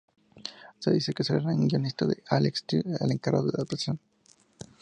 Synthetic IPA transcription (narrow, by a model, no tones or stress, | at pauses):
seðisekeseeɾaɡionist̪aðeʔalekst̪iḛleŋkaɾɣa̰ðoðeðepɾesjon